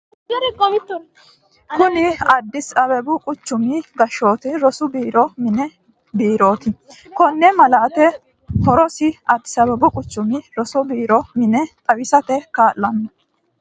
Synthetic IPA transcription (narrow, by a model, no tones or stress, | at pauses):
ɾkʼɔmɪt̪ː | kʊnɪɐd̪ːɪsɐbɛbʊkʼʊt͡ʃːʊmɪɡɐʃːo̞ːt̪ɪɾɔsʊbiːɾɔmɪnɛ | biːɾo̞ːt̪ɪ | kɔnːɛmɐlaːt̪ɛ | hɔɾɔsɪɐd̪ːɪ̥sɐbɛbʊkʼʊt͡ʃːʊmɪɾɔsɔbiːɾɔmɪnɛt̪ʼɐwɪsɐt̪ɛkaːlːɐnːɐ